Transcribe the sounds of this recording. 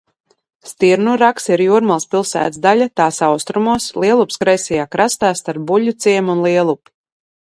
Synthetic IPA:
st̪iɾnuɾaksiɾjuːɾmalˠspilˠsæ̰ːt̪zd̪alʲat̪aːsawst̪ɾumuɔslˠiɛlˠupskɾajsʲɛjaːkɾast̪aːst̪aɾp̚buʎʲut̪siɛmunlˠiɛlˠupi̥

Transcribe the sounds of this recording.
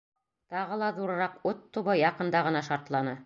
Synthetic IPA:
t̪ɑʁɤ̆lˠɑðuɾɤ̆ɾɑqɵt̪ːuβɤjɑqɤ̆nd̪ɑʁɤ̆nɑʃɑɾt̪lˠɑnɤ

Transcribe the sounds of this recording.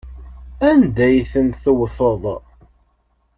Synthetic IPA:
ænd̪æjθənθəwθəðˤ

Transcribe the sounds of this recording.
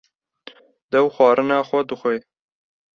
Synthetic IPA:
d̪ɛwxʷwɑːɾɨnɑːxʷɛd̪ɨxʷeː

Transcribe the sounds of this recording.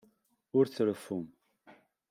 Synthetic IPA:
ʊɾθəɾəfum

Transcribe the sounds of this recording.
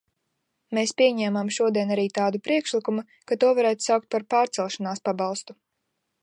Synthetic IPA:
meːspʲiɛɲɛːmamʃuɔd̪iɛnaɾiːt̪aːd̪upɾiɛkʃlikumu | kat̪uɔvaɾæːt̪u̥sawk̚t̪̚paɾpaːɾt̪sɛlˠʃanaːspabɑlˠst̪u

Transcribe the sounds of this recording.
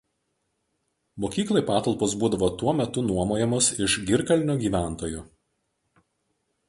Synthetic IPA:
moːkʲiːklˠɐɪpɑːt̪ɐlˠpoːs̬buːd̪ɐʋoːt̪uɔmʲɛt̪ʊnuɔmoːjɛmosɪʃɡʲɪɾkɐlʲnʲoːɡʲiːʋʲæˑnˑt̪oːjʊ

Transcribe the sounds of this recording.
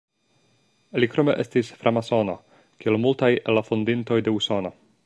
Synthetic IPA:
likɾo̞me̞ʔe̞stisfɾʔamaso̞no̞ | kielmultajelːafondinto̞jde̞uso̞no̞

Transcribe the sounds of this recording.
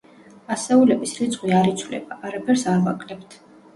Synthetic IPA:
asɛulɛbisɾit̪sʼχʼwiaɾit̪sʰvlɛ̰baʔaɾapʰɛɾsaɾvakʼlɛpt̪ʰ

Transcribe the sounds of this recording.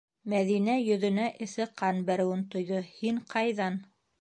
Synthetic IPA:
mæðinæjɵ̆ðɵ̆næʔɘ̆θɘqʰɑnbæɾɘ̆wɘnt̪ŏjðohiɴqʰɑjðɑn

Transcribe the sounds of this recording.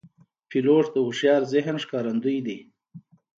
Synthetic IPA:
filoːʂd̪əuʂjɑːɾzɪɦnʂkɑːɾand̪ujd̪i

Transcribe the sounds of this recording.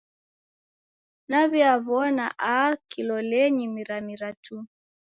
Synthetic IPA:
naβiaβɔnaʔakilɔlɛɲimiɾamiɾatʰu

